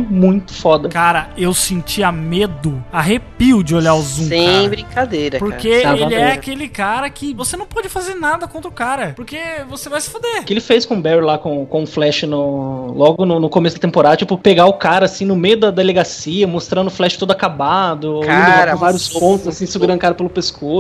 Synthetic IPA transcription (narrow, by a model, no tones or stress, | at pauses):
mũj̃t̪ʊ̥fɔd̪ɐkaɾɐewsẽnt͡ʃiɐmed̪ʊaɦepiwd͡ʒɪoʎaɾʊzũẽbɾĩkad̪ejɾɐpoɾkeevaɪɛakelɪkaɾɐkɪvosenɐ̃w̃pɔd͡ʒɪfazeɾnad̪ɐkõnt̪ɾʊkaɾɐpoɾkevosevajsɪ̥fod̪ekɪelɪfejskõbɛɾilakõw̃kõʊflɛʃɪnʊlɔɡʊnʊnʊkomesʊd̪ɐt̪ẽmpoɾad̪ɐt͡ʃipʊpeɡaʊkaɾɐsĩnʊmejʊd̪ɐd̪ɐeleɡasiɐmost̪ɾɐ̃nd̪ʊflɛʃɪ̥t̪od̪ʊakabad̪ʊkaaɾɐ̃vaɾiʊspõt̪ʊzasĩɪsɪʊɡɾɐ̃kaɾɐpelʊpesko